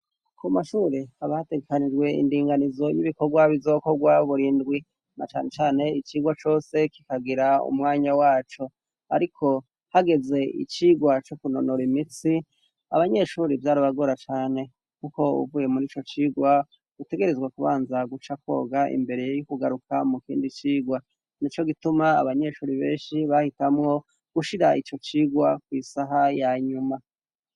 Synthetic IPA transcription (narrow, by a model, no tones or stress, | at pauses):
kumaʃuːɾihaβahate̞ɡekanid͡ʒɡwe̞ḭndiːŋɡanizo̞jiβiko̞ɡwaβizo̞ko̞ɡwaβuɾindɡwi | nat͡ʃaːne̞t͡ʃaːne̞it͡ʃiːɡwat͡ʃo̞ːse̞ki̥kaɡiɾaṵmŋaːɲawaːt͡ʃo̞ | a̰ɾikʰo̞ | haɡe̞ze̞ḭt͡ʃiːɡwat͡ʃokuno̞noɾimisi | a̰βaɲe̞ʃuːɾivjaːɾoβaɡo̞ɾat͡ʃaːne̞ | kuko̞ṵvuːje̞muɾit͡ʃo̞t͡ʃiɡwa | ɡ̥ute̞ɡe̞ɾe̞zɡwakuβaːnzaɡut͡ʃako̞̰ːɡaʔḭmbe̞ɾejjukuɡaɾukamukḭːndit͡ʃiːɡwa | nit͡ʃo̞ɡitumaa̰βaɲe̞ʃuːɾiβeːnʃiβahitamŋo̞ | ɡ̥uʃiɾaʔit͡ʃo̞t͡ʃiːɡwakwisaɦajaɲuma